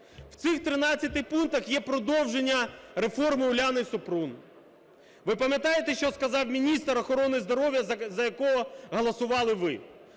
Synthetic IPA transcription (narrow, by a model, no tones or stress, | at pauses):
w̥t̪sɪxt̪ɾɪnɑt͡sʲːɐt̪ɪjpunt̪ɐxjɛpɾɔd̪ɔwʒenʲːɐɾefɔrmɪʊlʲanɪisʊpɾun | ʋɪpɐmʲjɐt̪ɑjet̪eʃt͡ʃɔskɐzɑwmʲinʲist̪ɾɔxɔɾɔnɪzd̪ɔɾɔʋʲjɐzɐjɐkɔɦɔɦɔlˠɐsʊʋɑlˠɪʋɪ